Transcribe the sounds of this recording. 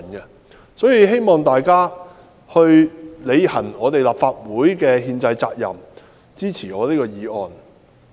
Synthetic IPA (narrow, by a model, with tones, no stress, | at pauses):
nkɛ˧ | sɔː˨˥jiː˨˧ɦe˥jmɔː˨ŋt̪aː˨jkaː˥ | hɵ˧ɥle˨˧jhɐ˨˩nɔː˨˧t̪e˨jlaː˨˩pfaː˧t̚wuː˨˥jkɛː˧ɦiː˧nt͡sɐ˧jt͡sa̰ː˧k̚jɐ̰˨˩m | t͡siː˥t͡sʰiː˨˩ɔː˨˧liː˥kɔː˧jiː˨˧ɔː˨n